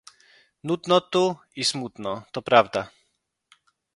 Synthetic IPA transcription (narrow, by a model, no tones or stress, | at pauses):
nud̪nɔt̪u | ismut̪nɔt̪ɔpɾavd̪a